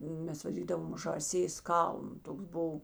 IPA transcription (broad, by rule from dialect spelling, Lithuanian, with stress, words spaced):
ˈmʲɛs ʋɐˈdʲiːdɐʋɐm ʒɑːˈsʲeːs ˈkɐlˠnʊ ˈtoːks ˈbʊw